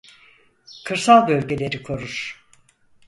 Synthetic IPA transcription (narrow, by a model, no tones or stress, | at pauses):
kʰɯɾsalˠbølʲɟe̞lʲe̞ɾikʰo̞ɾuɾ̥